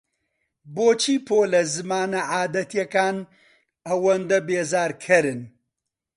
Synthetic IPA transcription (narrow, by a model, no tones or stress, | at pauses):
boːt͡ʃʰiːpʰoːlɐzɨmaːnɐʕaːd̪ɐt̪jɐkaːn | ɐwɐnd̪ɐbeːzaːɾkʰɐɾɨn